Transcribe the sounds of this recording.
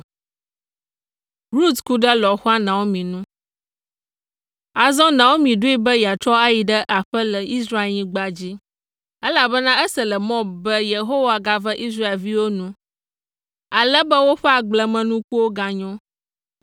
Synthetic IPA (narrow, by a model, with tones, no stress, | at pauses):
ɾu˦t̪ku˦ɖə˦lɔ˨xɔ˦a˦nã˨wo˦mĩ˨nũ˦ | a˨zɔ̃˦nã˨wo˦mĩ˨ɖu˦i˦bə˦ja˨t͡ʃɾɔ˦a˦ji˨ɖə˦ʔa˨ɸə˦lɛ˨i˦sɾa˦e˨lɲĩ˦ɡ͡ba˨d͡ʑi˦ | ɛ˦la˨bə˦nã˦ɛ˦sə˨lə˨mɔ̃˦bɛ˦je˨ɦo˦wa˨ɡa˦və˦ʔi˦s̬ɾa˦e˨lvi˦wo˦nũ˦ | a˨lə˦bɛ˦wo˦ɸɛ˦a˨ɡ͡blɛ˨mɛ̃˨nũ˦ku˦wo˦ɡa˦ɲɔ̃˦